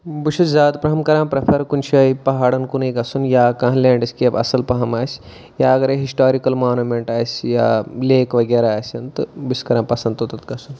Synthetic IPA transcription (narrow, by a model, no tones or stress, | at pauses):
buʃʰud͡ʒzaːd̪pɾɐɦɐmkɐɾãːpɾɐpʰɐɾkunʃʰɐipɐɦaːɽɐnkunɐjɡɐsunjaːkãːɦlẽːɳɖɐsʲkiɐbɐ̰sɐlpɐɦɐmaːsʲ | jaːɐɡɐɾeɦisʈaːɾikɐlmaːnumeɳʈaːsʲja̰ːleːkʋɐɡeːɾaaːsʲɐnt̪ɐbiskɐɾãːmpɐsɐ̃nd̪ot̪ɐt̪ɡɐsun